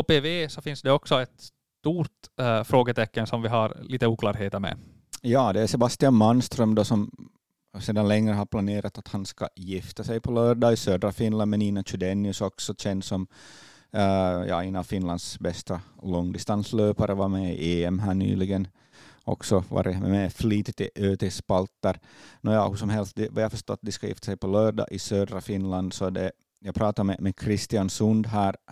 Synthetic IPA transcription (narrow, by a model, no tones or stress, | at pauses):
opeːveːsɔfɪnsd̪ɛɔksɔɛt̪ss | t̪uːɾʈ̪fɾoːɡət̪ʰɛkːənsɔmvɪɦɑɾliːt̪əuːklɑːɾɦeːt̪əɾmɛ̰ | jɑːd̪ɛæsɛbast̪ɪanmanst̪ɾœmd̪ɔsɔm | seːd̪anlɛŋːɾəɦaɾpʰlaneːɾat̪at̪hanskɑ̰jɪft̪asɛjpʰɔlœːɖaɪsøːd̪ɾafɪnland̪mɛniːnat͡ʃʉɖ̪ɛnːɪɵsɔksɔɕɛnd̪sɔm | jɑ̰ːɛːnafɪnland̪sbɛst̪alɔŋːd̪ɪst̪ansløːpaɾəvɑmɛiʔeːɛmɦæːɳy̰ːlɪɡən | ʔɔ̰ksɔvɑ̰ːɾəmɛ̰mɛfliːt̪ɪt̪ːɪʔøːt̪ʰɛspalt̪ːəɾnɔjɑːhʉsɔmɦɛlst̪̚d̪ɛvajhafœʂt̪ɔt̪̚ːd̪ɪskajɪ̰ft̪asɛjpɔlœːɖɖɑ̰ːʔɪsøːd̪ɾafɪnland̪sɔd̪ɛ | jɑːɡpʰɾɑːt̪aɾmɛmɛkʰɾɪst̪ɪansɵnd̪ɦæːɾ